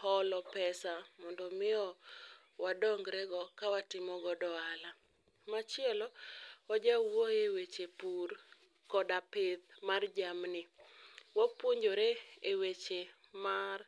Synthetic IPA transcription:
hɔlɔpɛsamɔndɔmɪɔ | wadɔŋɡɾɛɡɔkawatɪmɔɡɔdɔala | mat͡ʃɪɛlɔɔd͡ʒawoewet͡ʃepur | kɔdapeðmard͡ʒamnɪwopwoɲd͡ʒoɾeewet͡ʃe | mar

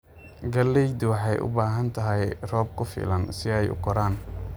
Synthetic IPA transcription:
ɡɐlːɛjd̪ʊwɑħɑjʔʊ̰baːɦɐnt̪ʰɐɦɛjrɔːb̚kʰʊfḭːlɐnsɪɛjʊ̰kʰɔɾaːn

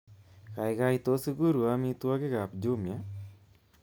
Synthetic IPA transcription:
kajɡajt̪ɔsuɡuɾuamit̪uwaɡeɡap̚d͡ʒumja

